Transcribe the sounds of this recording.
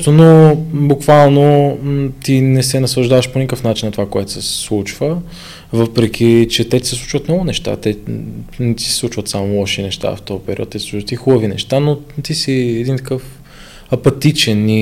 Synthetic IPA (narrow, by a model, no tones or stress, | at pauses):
t̪onobukvalˠno | t̪inɛsɛnɐslˠɐʒd̪avɐʃponikəfnat͡ʃinːɐt̪ovakoɛt̪o̥sɛsɛslˠut͡ʃvə | vɤpɾɛk̟ʰit͡ʃɛt̪ɛt̪i̥sɛslˠu̥t͡ʃvət̪nɔɡʊnɛʃt̪a̰t̪ɛnɛt̪i̥sɛslˠut͡ʃvət̪samolˠɔʃinɛʃt̪a̰ft̪ɔjpɛɾʲḭɔ̰t̪ːɛsislˠuvət̪ixubəvinɛ̰ʃt̪anot̪isiɛd̪int̪ɐkɤf | ɐpɐt̪it͡ʃɛni